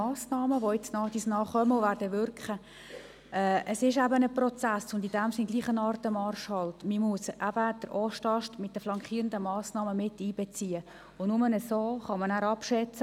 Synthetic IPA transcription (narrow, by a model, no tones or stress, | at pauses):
ɑːsnɑːməʋoɪt͡snɑːd̥̪isnɑːχœməʊʋæːɾdəʋʏɾkχə | ɛʔəsɪʃæbənəprɔt͡sæsʊnd̪id̥æmsɪnɡliːχənɑːrtəmɑrʃhɑlt̪mimuəsʔæb̥əd̪̥əɾʔoʃtɑʃtmɪt̚d̥əflɑŋkχiːɾəndəmɑːsnɑːməmɪtiːb̥ɛt͡siːə | ʊnʊmənəsoːχɑmɑnæːɾɑpʃɛt͡sə